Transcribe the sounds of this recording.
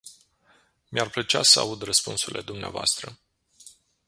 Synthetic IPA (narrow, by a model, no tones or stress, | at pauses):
miarplət͡ʃa̰səa̰ud̪rəspunsurilʔe̞̰d̪umneavoa̰st̪ɾə